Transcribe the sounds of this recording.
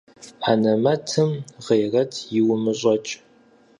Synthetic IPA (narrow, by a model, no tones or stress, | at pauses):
ħaːnɐmɐtʰɨmʁejrɐtʰjɪwʊmɨɕʼɐt͡ʃʼ